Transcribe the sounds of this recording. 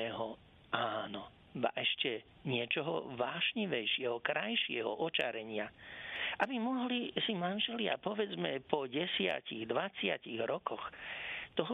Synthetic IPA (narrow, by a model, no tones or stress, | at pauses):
ɛɦɔ | ʔaːnɔ | ba̰ʔɛʃcɛ | ɲɪɛt͡ʃɔɦɔ̰ʋaːʃɲiʋɛjʃɪɛɦɔkɾajʃɪɛ̰ɦɔ̰ʔɔt͡ʃaɾɛɲɪaʔabimɔɦlisimanʒɛlɪa̰pɔʋɛd͡zmɛpɔɟɛsɪa̰ciɣd̪ʋat͡sɪaciɣɾɔkɔxt̪ɔɦɔ